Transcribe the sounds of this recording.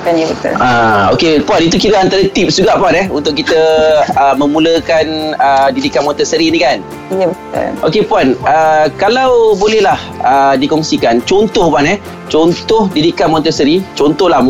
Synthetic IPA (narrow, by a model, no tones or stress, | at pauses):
bət̪ʊ̰laokepuanit̪ukiɾəant̪aɾət̪ip̚suɡaʔpuanɛhunt̪ʊʔkit̪əəmə̃mũləkanədidikanmɔ̃nt̪əsəɾinikan | jabət̪ʊ̰lʔokepuanəkalawbolɛhlah | ədikɔŋsikant͡ʃɔnt̪ɔhpanɛh | t͡ʃɔnt̪ɔhdidikanmɔ̃nt̪əsəɾit͡ʃɔnt̪ɔhlah